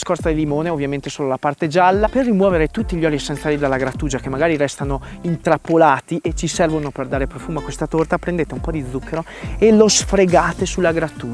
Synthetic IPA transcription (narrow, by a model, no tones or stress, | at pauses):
skɔɾrad̪elːimoːneovːjament̪esoːlolapart̪ed͡ʒalːaperːimwɔːveɾet̪ut̪ːiʎːɔlisɛnt̪salːid̪alːaɡɾat̪ːuːd͡ʒakemːaɡaːɾiɾɛst̪anoint̪ɾapːolaːt̪iʔet͡ʃisɛrvonoperd̪aːɾepɾofuːmoakːwest̪at̪ort̪apɾend̪eːt̪eumpɔd̪id̪zːukʰːeɾo | elosfɾeɡaːt̪esulːaɡɾat̪ːuː